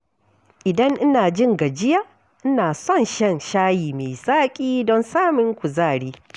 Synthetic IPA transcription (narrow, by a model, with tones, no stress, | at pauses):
ʔɪ˨dɐ˦ŋʔɪ˦naː˨d͡ʒɪ˦ŋɡa˨d͡ʒɪ˦ja˦ | ʔɪ˦naː˨sɔ˦˨nʃɛ˦˨nʃaː˦jiː˨me˨saː˦kʲʼiː˦dɔ˦nsaː˦mɪ˦ŋkʷʊ˨zaː˦˨ɽiː˦